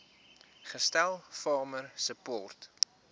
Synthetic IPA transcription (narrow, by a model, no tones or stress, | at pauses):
χəstælˠfɑːmərsəpɔːrt